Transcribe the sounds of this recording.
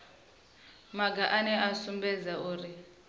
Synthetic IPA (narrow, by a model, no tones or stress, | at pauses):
maɡaʔanɛasumbɛd͡zauːɾi